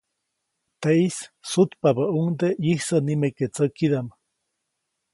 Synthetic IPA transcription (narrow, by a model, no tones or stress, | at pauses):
t̪eissut̪pabaʔuŋd̪ejihsənimeket͡səkid̪am